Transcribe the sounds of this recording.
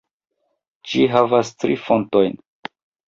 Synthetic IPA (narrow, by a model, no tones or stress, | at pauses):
d͡ʒiɦavastɾifo̞nto̞jn